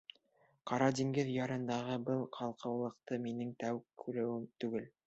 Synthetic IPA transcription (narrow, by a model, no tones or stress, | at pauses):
qʰɑɾɑd̪iŋɡɘðjɑɾɤ̆nd̪ɑʁɤbɤlˠqʰɑlˠqʰɤ̆wlˠɤ̆q̚t̪ɤminɘŋt̪æwkʰːʉɾɘ̆wɘmt̪ʉɡɘl